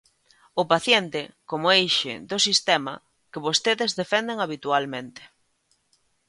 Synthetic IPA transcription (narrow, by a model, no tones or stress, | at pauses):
ʊpaθjent̪ɪkomʊejʃɪ̰d̪ʊsist̪ɛmɐ̰ | kɪβost̪eðezðefɛnd̪eŋaβit̪ualmẽnt̪ɪ̥